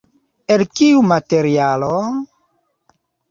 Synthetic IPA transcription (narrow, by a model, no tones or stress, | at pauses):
elkiumateɾialo